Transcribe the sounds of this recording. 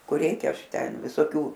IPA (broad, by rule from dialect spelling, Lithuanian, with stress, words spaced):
kʊr ˈrʲɛɪkʲɛ ˈɐʃ ˈtʲɛn ʋʲɪsoːˈkʲuː